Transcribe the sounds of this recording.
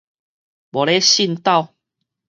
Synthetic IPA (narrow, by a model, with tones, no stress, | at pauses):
bo˨˩le˦ɕi˥˧nt̪a˥˧˨w